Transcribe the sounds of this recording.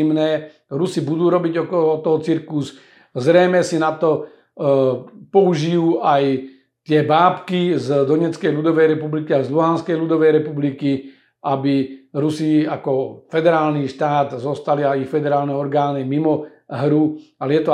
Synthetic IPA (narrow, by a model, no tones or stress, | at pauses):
mnɛː | ɾusibud̪uːɾɔbiɟɔkɔlɔt̪ɔɦɔt͡siɾkuz | zɾɛjmɛsinat̪ɔ | pɔuʒijuːʔaj | t̪ɪɛbaːpkizd̪ɔɲɛt͡skɛjlud̪ɔʋɛjɾɛpublikiajzluɦanskɛjlud̪ɔʋɛjɾɛpubliki | ʔabiɾusiakɔfɛd̪ɛɾaːlniʃt̪aːd̪zɔst̪aliajixfɛd̪ɛɾaːlnɛɔɾɡaːnimimɔ | ɦɾualɛjɛt̪ɔ